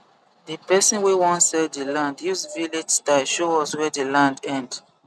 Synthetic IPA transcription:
dipɛsɔ̃nwewɔ̃nsɛldilãndjusviled͡ʒstaʃoɔswɛdelãndɛ̃nd

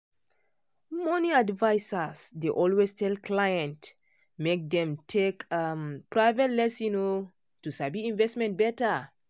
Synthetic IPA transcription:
mɔniadvaɪsasdeʔɔlwestʰɛlklajɛ̃nt | mek̚dɛ̃mtʰekampɹaɪvɛtlɛsjuno | tusabiĩnvɛstmɛ̃nt̚bɛta

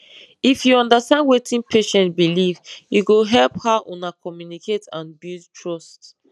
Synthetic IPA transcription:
ifjuɔ̃ndastãndwetʰĩnpʰeʃɛ̃ntbilivjuɡoɦɛlphaʔɔ̃nakɔmjunikʰetʰãnbildtʰɹɔst

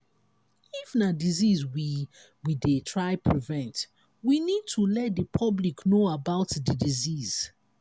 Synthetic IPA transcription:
ifnadizizwi | widetʰɹaɪpʰɹivɛ̃nt | winid̚tʰulɛt̚dəpʰɔbliknoabaʊtdədiziz̥

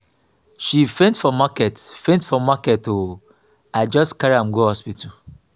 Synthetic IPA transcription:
ʃifẽntfɔmakɛtfẽntfɔmakɛto | ad͡ʒɔstkaɾãmɡohɔspitu

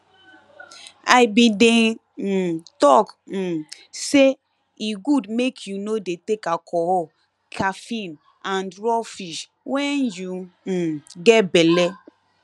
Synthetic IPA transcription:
aɪbide | tɔk̩ | se | iɡudmekʰjunodetekakʰɔhɔ | kʰafĩn | ãndɹɔfiʃ | wɛnju | ɡɛbɛlɛ

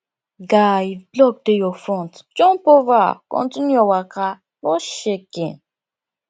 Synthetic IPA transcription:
ɡaiblɔɡ̚dejɔfɔ̃ntd͡ʒɔ̃npɔva̰kɔ̰̃ntinjuɔwaka | bɔʃekḛ̃n

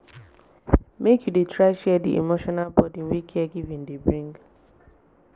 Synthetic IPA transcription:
mekjudetɾaɪʃɛdḭʔḛmoʃɔnalbɔdiŋwikʰiɛɡivĩn̩dɪbɾiŋɡ

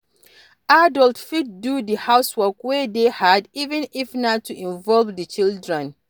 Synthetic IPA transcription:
adɔltfid̚dudihaʊswɔkwedehadivɛ̃nifnatːuʔĩɱvɔlvdət͡ʃildɹɛ̃n

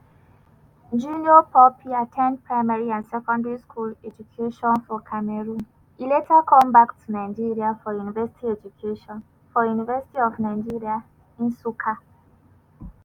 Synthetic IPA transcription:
d͡ʒuniɔpʰɔpʰiatʰɛ̃nd̚pʰɹaɪmaɹiãnsɛkɔ̃ndɛɹiskʰulɛd͡ʒukʰeʃɔ̃nfɔkʰamɛɹũn | iletakʰɔ̃mbaktʰunaɪ̃nd͡ʒiɹiafɔjunivɛsi̥tʰiɛd͡ʒukʰeʃɔ̃n | fɔjunivɛsi̥tiɔvnaɪ̃nd͡ʒiɹia | ĩnsukʰa

